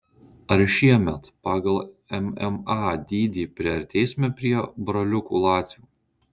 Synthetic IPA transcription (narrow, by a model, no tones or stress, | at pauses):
ɐɾʃʲiɛmʲɛt̪pɑːɡɐlˠɛmɛ̰mɑːd̪ʲiːd̪ʲiːpʲɾʲɛɐɾʲt̪ʲɛɪsʲmʲɛpʲɾʲiɛbɾɔlʲʊkuːlˠɑːt̪ʲʋʲuː